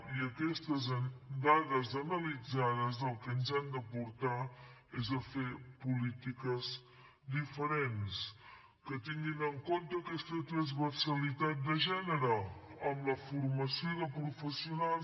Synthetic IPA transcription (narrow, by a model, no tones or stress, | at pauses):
iəkɛst̪əzənd̪aðəzənəlid͡zaðəzðəlˠkənzand̪əpuɾt̪aezəfepulit̪ikəz | d̪ifəɾens | kət̪iŋɡinəŋkont̪əːkɛst̪ət̪ɾəzβəɾsəlit̪at̪̚d̪əʒɛnəɾəəmləfuɾməsioðəpɾufəsiunal